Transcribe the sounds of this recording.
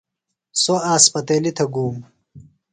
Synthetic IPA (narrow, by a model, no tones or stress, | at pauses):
soaːspɐt̪eːlit̪ʰɐɡuːm